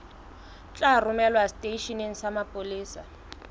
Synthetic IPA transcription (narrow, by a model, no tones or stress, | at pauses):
t͡ɬʼarʊmɛlwastʼeʃɔneŋ̩samapʼʊliːsa